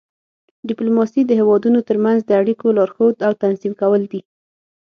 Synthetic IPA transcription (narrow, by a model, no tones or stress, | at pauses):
ɖɪplomɑsid̪əɦewɑd̪unot̪əɾmanzd̪əaɽikolɑɾxod̪awt̪anzimkawəld̪i